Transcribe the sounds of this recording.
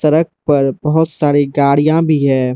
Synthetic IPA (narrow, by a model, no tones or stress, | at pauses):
səɾək̚ʰpɐɾbəɦʊt̪saːɾiɡaːɽijãbʱiɦɛ̃ː